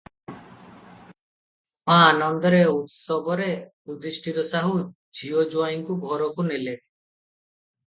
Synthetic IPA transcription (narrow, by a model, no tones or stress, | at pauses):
pãnɔnd̪ɔɾeut̪sɔbɔɾe | ud̪ɾiʃʈʰit̪ɔsaɦu | d͡ʑʱiod͡ʒuajŋkubʱɔɾɔkunele